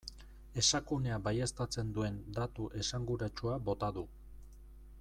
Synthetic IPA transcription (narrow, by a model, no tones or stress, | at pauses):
e̞sakune̞abajest̪at͡se̞nd̪ue̞nd̪at̪uʔe̞saŋɡuɾat͡ʃuabo̞t̪aðu